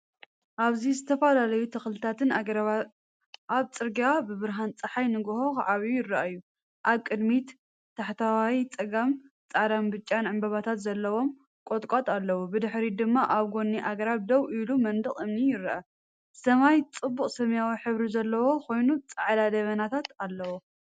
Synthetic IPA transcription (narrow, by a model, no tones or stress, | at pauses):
ʔaβzizɨt̪ʰɐfalalɐjut̪ʰɐxlɨt̪ʰat̪ʰɨnaɾ | ʔaβt͡sʼɨɾɡabɨβɨɾɦant͡sʼɨħajnɨɡhoxʕaβijujɪrɐʔaɨjːu | ʔaβkʼɨd̪mit̪ | t̪ʰːaħt̪ʰawawit͡sʼɐɡam | t͡sʼad̪ambɨt͡ʃʼːanʕɨmbɐβat̪ʰat̪zɐlːɐwo̞m | kʼot̪ʼkʼot̪ʼalːɐwubɨd̪ɨħɾid̪ɨmːaʔaβɡo̞nːiʔaɡɾaβd̪ɐwʔilumɐnd̪ɨχʼɨmnijɪɾɐʔɐ | sɐmajt͡sʼɨbːuχʼsɐmjawiħɨβɾizɐlːɐwo̞kʰo̞jnut͡sʼaʕlad̪ɐβɐnat̪ʰat̪alːɐwo